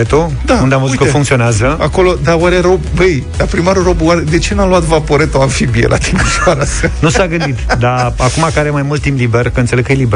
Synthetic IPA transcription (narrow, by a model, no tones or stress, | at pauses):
et̪o | d̪aund̪eamvəzut̪kəfuŋkt̪sio̞neazəako̞lo̞d̪awaɾeɾo̞bbəj | d̪apɾimaɾuro̞baɾed̪e̞t͡ʃe̞naluat̪vapo̞ɾe̞t̪o̞aɱfibiḛlʔa̰t̪ʰiməʃaɾasanusaɡɨnd̪it̪d̪aakumakəaɾemajmult̪ːimpliberkəɨnt̪seekəjelibe